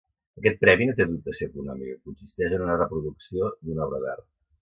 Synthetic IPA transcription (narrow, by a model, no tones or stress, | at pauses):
əkɛt̪̚pɾɛβinot̪̬eðup̚t̪əsokunɔmikəkunsist̪ɛʒənunərəpɾuðuksiod̪unɔβɾəβɛ̰rt̪